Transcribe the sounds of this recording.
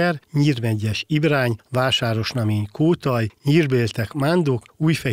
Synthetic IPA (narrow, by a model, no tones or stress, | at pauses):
ɛrɲiːrmɛɟːɛʃibɾaːɲvaːʃaːɾo̞ʃnɒmiːɲkʰoːt̪ɒjɲiːrbeːlt̪ɛkmand̪okuːjfɛ